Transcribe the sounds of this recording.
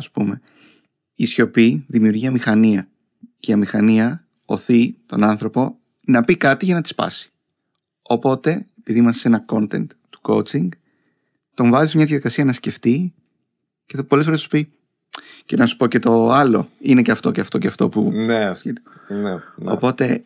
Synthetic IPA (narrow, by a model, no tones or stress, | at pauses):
ɐspṵme̞ | isço̞piðimiuɾʝiɐmixɐniɐ | ceɐmixɐniɐ | oθit̪o̞̰nɐnθɾo̞po̞ | nɐpikɐt̪iʝɐnɐt̪i̥spɐ̰si̥ | o̞po̞t̪e̞epiðimɐsse̞nɐko̞nt̪e̞nt̪t̪ːu̥ko̞̰ut͡siŋɡ | t̪o̞ɱvɐzismɲɐðiʝɐðikɐsiɐnɐsce̞ft̪i | cepo̞lefoɾesu̥pi | ce̞nɐsu̥po̞ce̞t̪o̞ɐlo̞̰ineceɐft̪o̞ceɐft̪o̞ceɐft̪o̞̰puet̪i | no̞̰po̞t̪e̞